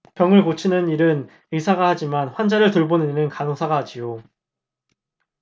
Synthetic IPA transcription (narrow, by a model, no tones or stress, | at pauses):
pjʌŋɯɭkot͡ɕʰinɯniɾɯn | ɯsʰaɡahad͡ʑimanɸwand͡ʑaɾɯɭtɯɭbonɯniɾɯnkanosʰaɡaɦad͡ʑijo